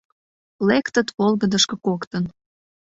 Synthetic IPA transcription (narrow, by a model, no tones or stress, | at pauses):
lekt̪ət̪ʰolɣəd̪əʃkɤkokt̪ən